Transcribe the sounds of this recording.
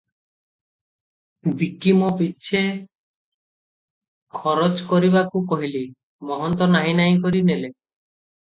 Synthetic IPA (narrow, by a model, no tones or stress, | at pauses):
bikimɔpitːʃʰe | kʰɔɾot͡ʃkɔɾiβakukɔɦili | mɔɦɔnt̪ɔnaɦinaj̃kɔɾinele